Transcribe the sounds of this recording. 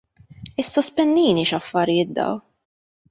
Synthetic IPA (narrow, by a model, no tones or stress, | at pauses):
ɪsːɔspɛnːiːniʃɐfːɐɾɪjɪːt̪̚d̪ɐ̰w